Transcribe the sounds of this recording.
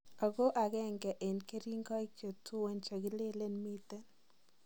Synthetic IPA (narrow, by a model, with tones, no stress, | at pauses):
a˨ɡo˦ʔa˨ɡɛ˦ŋɡɛ˨ʔe˨nke˦ɾi˦ŋɡɔ˦i˦kjo˨tu˦we˨nt͡ʃa˨ɡɪ˦le˦le˦nmi˦te˦n